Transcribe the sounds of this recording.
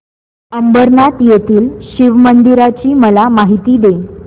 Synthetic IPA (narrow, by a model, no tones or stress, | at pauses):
əmbəɾnat̪jet̪iːlɕiʋmənd̪iɾat͡ɕiːməlamaɦit̪iːd̪e